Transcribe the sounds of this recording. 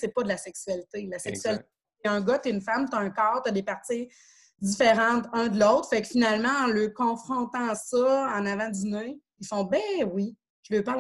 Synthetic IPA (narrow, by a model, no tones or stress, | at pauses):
sɛpʌd̪əlasɛksyɥalit̪elasɛksyɥalit̪ | ɛ̃ɡʌt̪eynfamt̪aɛ̃kɑːʁt̪ɐd̪epaʁt̪si | d͡zifeʁɑ̃t̪ɛ̃d̪əloʊt̪χfɛkfinalmãɑ̃ləkɔ̃fχɔ̃t̪ãsɔɑ̃navãd͡z̪ine | ilfɔ̃bɛ̃wi | ʒ̥ləpã